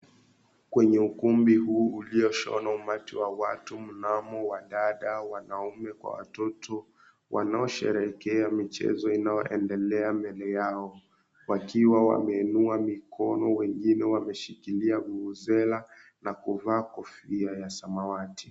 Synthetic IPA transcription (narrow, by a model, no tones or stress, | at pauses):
kwɛɲɛukumbiɦuːliɔʃɔ̰naumatiwawa̰tum̩namɔwaɗaɗawanaumɛkwa̰wa̰tɔtʰɔ | wʔa̰naɔʃɛ̰ɾɛkɛamit͡ʃɛ̰zɔinajɔʔɛndɛlɛamɛlɛjaɔ | wakiwawa̰mɛːnuamikʰɔnɔwɛŋɡinɛwamɛʃikiliaɡuuzɛla | nakuvaːkɔfiajasamawati̥